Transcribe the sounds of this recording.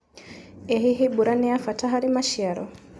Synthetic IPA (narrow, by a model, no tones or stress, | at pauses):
ɛɦiɦibuɾaniafataɦaɾimaʃiaɾɔ̰